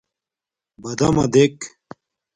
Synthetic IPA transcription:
bɐd̪ɐ̰mɐ̰d̪ek

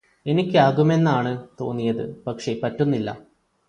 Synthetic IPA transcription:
e̞nikʲːɨaːɣume̞nːaːɳɨt̪o̞̰ːnːijɐðɨ̰pɐkʂe̞pɐtːunːilːɐ̰

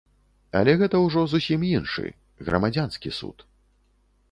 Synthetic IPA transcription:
ɐ̰lʲɛɣɛt̪ɐwʐɔzusʲiminʂɨ̰ | ɣɾɐ̰mad͡zʲanskʲisṵt̪

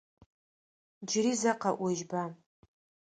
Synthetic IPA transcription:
d͡ʒrizaqaʔʷeʒba

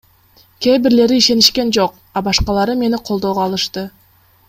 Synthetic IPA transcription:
kʲʰejbɪɾle̞ɾɪiʃe̞nɪʃkʲe̞nʒo̞q̚ | ɑbɑʃqɑlˠɑɾəme̞nɪqʰo̞lˠd̪owʁɑlˠəʃt̪ə

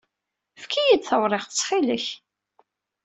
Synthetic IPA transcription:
fkʰijid̪θəwɾˤɪʁət͡sːˤχiləç

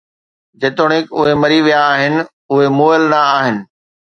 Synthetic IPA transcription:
d͡ʑeːt̪ʊɽ̃ɪkʊɦemɐɾiʋijaːɦɪnɪ̆ | ʊɦemoːɪlnɐːɦɪnɪ̆

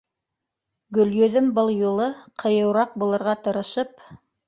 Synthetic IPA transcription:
ɡɵ̆ljɵ̆ðɵmbɤlˠjulˠɤqʰɤ̆jɤ̆wɾɑq̚bulˠɤ̆ɾʁɑt̪ɤ̆ɾɤ̆ʃɤp

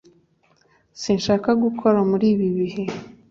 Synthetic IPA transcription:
sinʃaːkaɡukʰo̞ɾamuɾiːβiβihe̞

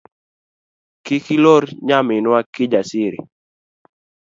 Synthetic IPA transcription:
kɪkiloɾɲamɪnwakɪd͡ʒasɪɾḭ

